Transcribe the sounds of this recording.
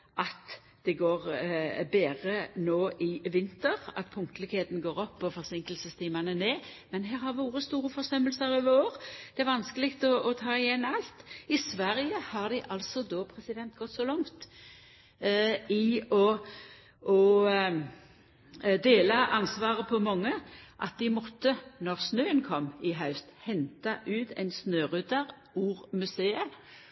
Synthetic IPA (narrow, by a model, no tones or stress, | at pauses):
ʔɑt̪ | d̪̥ɛɡoːʁbeːʁənoːʔɪʋɪnt̪əɾɑ̰t̪̚pʰʊŋkt̪əlɪkheːt̪n̩ɡoːʁɔpːɔfɔʁsɪŋkəlsəst̪ʰiːmɑnəneːmɛnɦæːɾhɑɾʋoːɾəst̪uːɾəfɔsnɛmːəlsəɾɪʋoːʁd̪̥ɛæɾʋɑnskəlɪkt̪ɔɔt̪ʰɑːɪjɛnːɑlt̪ɪsʋæɾɪjəhɑʁd̪ɪʔɑlt̪sɔd̪oːpʰʁɛsɪd̪ɛnt̪ɡɔt̪sɔlɑŋt̪ | ɪɔ | ɔ | d̪eːlɑʔɑnsʋɑːʁəpʰɔmɔŋːəʔɑ̰t̪̚d̪ɪmɔt̪ːənɔʁsnøːənkʰɔmɪɦɑʉst̪hɛnt̪ɑʔʉːt̪æ̰ɪnsnøːʁʉt̪əʁ | uːʁmʉseːə